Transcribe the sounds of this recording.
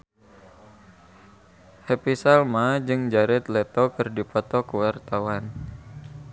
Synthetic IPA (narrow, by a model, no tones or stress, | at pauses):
hepisalmad͡ʒɨŋd͡ʒaɾɛt̪lɛt̪ɔkɨrdipɔt̪ɔkəwart̪awan